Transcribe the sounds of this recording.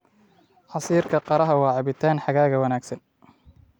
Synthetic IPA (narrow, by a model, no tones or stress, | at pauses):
ħɑsiːrkʰɐqɑɾɐɦɐwɑːʕɑβɪt̪ʰaːnħɑɣaːɣɐwɑnaːɡsɐn